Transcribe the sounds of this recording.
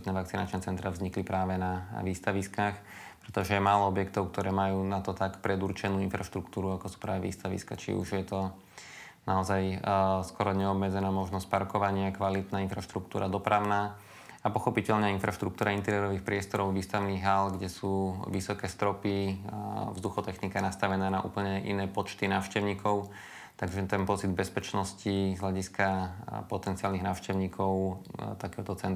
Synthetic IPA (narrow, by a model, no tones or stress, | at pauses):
t̪nɛʋakt͡sinat͡ʃnɛt͡sɛnt̪ɾavzɲiklipɾaːʋɛnaʋiːst̪aʋiskaːx | pɾɛt̪ɔʒɛjɛmaːlɔɔbjɛkt̪ɔʊkt̪ɔɾɛːmajuːnat̪ɔt̪akpɾɛd̪uɾt͡ʃɛnuːinfɾaʃt̪ɾuk̚t̪uːɾuakɔsu̥pɾaːʋɛʋḭːst̪aʋḭska̰t͡ʃḭṵʒjɛt̪ɔ | naɔzajskɔɾɔɲɛɔbmɛd͡zɛnaːmɔʒnɔsc̚paɾkɔʋaɲɪakʋalit̪naːinfɾaʃt̪ɾukt̪ṵːɾʔad̪ɔpɾaʊnaː | apɔxɔpicɛʎɲɛinfɾaʃt̪ɾuk̚t̪uːɾaint̪ɛɾɪɛɾɔʋiːxpɾɪɛst̪ɔɾɔʊʋiːst̪aʊniːɣɦalɡɟɛsuːʋisɔkɛːst̪ɾɔpi | vzd̪uxɔt̪ɛxnikajnast̪aʋɛnaːnaʔṵːpl̩ɲɛʔḭnɛːpɔt͡ʃt̪inaːʊʃcɛʊɲiːkɔʊ | t̪aɡʒɛt̪ɛnpɔt͡sid̪̚bɛspɛt͡ʃnɔscizɦlaɟiskapɔt̪ɛntt͡siaːlniɣnaːʊʃcɛʊɲiːkʰɔʊt̪akɛːɦɔt̪ɔt͡sɛn